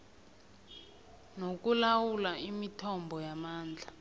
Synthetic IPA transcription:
nok̬ulawulaimitʰɔmbʱɔjamaːnd͡ɮʱa

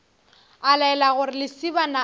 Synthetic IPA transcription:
alaɛlaɣʊrɪlɪsibana

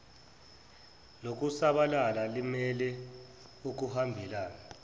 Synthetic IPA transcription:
lok̬ʼusaɓalalalimɛlɛ | uk̬uhambʱilaːna

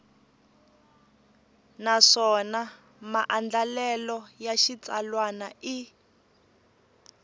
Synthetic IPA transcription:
naʂɔna | maʔand͡ɮalɛlɔjaʃit͡salwanai

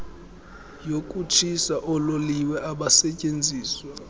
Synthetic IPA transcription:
jokʼut͡ʃʰisaʔɔloliwɛʔaɓasɛcʼend͡zʱiːswa

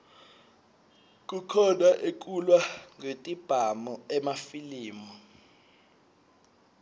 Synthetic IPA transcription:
k̬ʼukʰɔnaʔek̬ʼulwaŋetʼib̥ʱamɔɛmafiliːmɔ

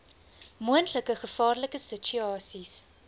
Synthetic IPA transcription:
muəntləkəχəfɑːrləkəsət͡ʃyɑːsis

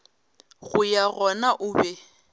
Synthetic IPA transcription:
ɣʊjaɣɔnaʔʊbɛ

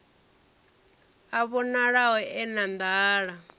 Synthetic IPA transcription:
aβɔnaɺawɛɛnand̪aːɺa

